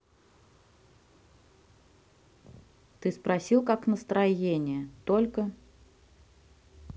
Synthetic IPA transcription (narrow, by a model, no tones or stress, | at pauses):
t̪ɨspɾɐsʲilˠkaknəst̪ɾɐjenʲɪjət̪olʲkə